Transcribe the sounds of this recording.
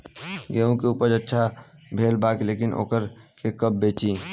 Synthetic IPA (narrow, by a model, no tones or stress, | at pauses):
ɡeõkeuːpəɾd͡ʒətːʃʰa | bʱeːlbʱaːkleːkɪnʔo̰ːkəɾkekəb̚ːeːt͡ʃi